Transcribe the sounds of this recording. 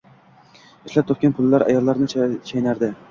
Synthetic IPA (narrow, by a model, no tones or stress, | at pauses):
ɪʃlap̚t̪ʰop̚kʲanpʰʊlˠːaɾa̰jɑlˠːɑɾnɪt͡ʃʰajnaɾd̪ɪ